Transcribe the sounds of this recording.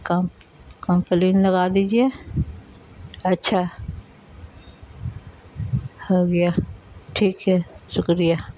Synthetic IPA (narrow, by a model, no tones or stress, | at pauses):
kakəmpliːnlɐɡad̪iːd͡ʒie | ɐtːʃʰa | hoɡɐja | ʈʰiːkɦɛʃʊkɾɪjaː